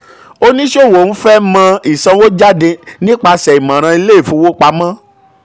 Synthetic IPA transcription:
o˦nĩ˦ʃo˦˨wo˨˦fɛ˦mã˧i˨sã˧wo˦d͡ʒa˦de˧nĩ˦k͡pa˧sɛ˨i˨mã˨ɾ̃ã˧i˧le˦i˦˨fũ˨˦wo˦k͡pa˧mã˦

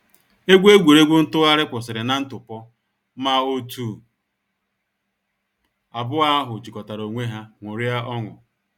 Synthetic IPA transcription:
e˦ɡʷe˦ɡʷe˨ɾe˦ɡʷʊ˦n̩˦tʊ˦a˦ɾɪ˦k͡pʊ˨sɪ˨ɾɪ˨na˨˦n̩˦tʊ˨pɔ˦ | ma˦o˦tu˦˨ | a˨bʊ˦a˦ɦʊ˨t͡ʃi˨kɔ˨ta˨ɾo˨ŋʷe˦ɦa˦ŋʷʊ˨ɾɪ˦a˦ɔ˦ŋʊ̰˨

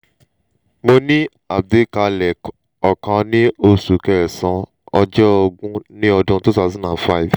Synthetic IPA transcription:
mo˧nĩ˦ | a˨b̚de˨˦ka˨˧˨lɛ˨ | ɔ˨kã˨˧nĩ˦o˧su˨kɛ˧˨ɾɛ˨sɔ̃˨˦ | ɔ˧d͡ʒɔ˦ɔ˧ɡũ˦nĩ˦ɔ˧dũ˧tu˦ta˦zɔ̃˦nã˨fa˦i˨v

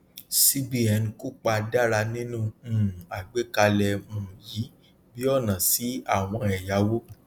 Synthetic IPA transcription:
si˦bi˦ɛ˧n˧ko˦k͡pa˧da˦˨ɾa˧nĩ˦nũ˦˨˦a˨ɡ͡be˨˦ka˧lɛ˧mũː˨ji˨˦ | bi˦ɔ˦˨nã˨si˨˦a˦˨w̃ɔ̃˧ɛ˨ja˨˦wo˦

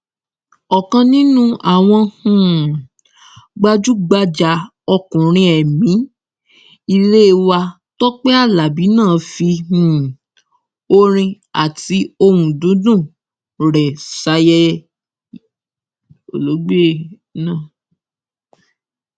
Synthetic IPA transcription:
ɔ˨kã˧nĩ˦nũ˦a˦˨w̃ɔ̃˧hũ˦˨ | ɡ͡ba˦d͡ʒu˦ɡ͡ba˦d͡ʒa˧˦ | ɔ˧kũ˨ɾ̃ĩ˧ɛ˨mĩ˨˦ | i˧le˦˧wa˧ | tɔ˦k͡pɛ˦a˦˨la˨bi˨˦nãː˦˨fi˧ũ˦˨ | o˦ɾ̃ĩ˧ | a˨ti˨˦o˧wũ˨dũ˨˦dũ˦˨ | ɾɛ˨sa˨˦jɛ˦ | o˨lo˨˦ɡ͡be˦˨ | nã˦˨

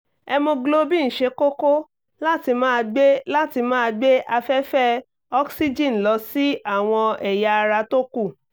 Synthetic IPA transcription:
ɛ˧mõ˧ɡlo˦bi˦˨ñ̩˨ʃe˧˦ko˦ko˦ | la˦ti˧mãː˦˧ɡ͡be˦la˦ti˧mã˦a˧ɡ͡be˦ʔa˧fɛ˦fɛ˦ | ɔ˦ksi˦d͡ʒĩ˦˨n̩˨lɔ˨˧˦si˦a˦˨w̃ɔ̃˧ɛ˨ja˧ɾa˧to˦ku˦˨

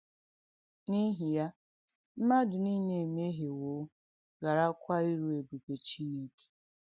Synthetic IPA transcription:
ni˦ɦi˨ja˦ | m̩˦ma˦dʊ˨ni˦ne˨me˦ɦe˨woː˨˦ | ɡa˨ɾa˦kʷa˦i˦ɾu˨e˨bu˨kʷe˨t͡ʃi˦ne˦ke̥˨

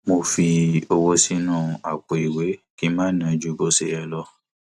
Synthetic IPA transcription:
mo˧fi˧o˧wɔ˧si˦nũ˦a˨k͡pɔ˨i˨we˨˦ki˦mãː˦˨˦nã˨˦d͡ʒu˧˦bo˦se˧˦jɛ˧lɔ˦

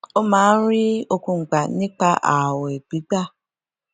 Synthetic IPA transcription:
o˦ma˨˦ɾɪ˦o˦ku˨ŋ͡m̩˨k͡pa˨nɪ˦k͡pa˦ʔa˨we˨bi˨˦ɡ͡ba˦

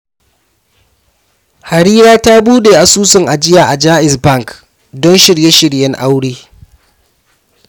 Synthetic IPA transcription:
ha˨ɽiː˦ɾaː˦ta˦buː˦deː˨ʔa˨suː˦sɪ˨ŋʔa˨d͡ʒɪ˦jaː˨ʔa˨d͡ʒaː˦ʔɪ˨sbɐ˦ŋk | dɔ˦nʃɪ˨ɽje˦ʃɪ˨ɽjɛ˦ŋʔa˦wɽeː˦

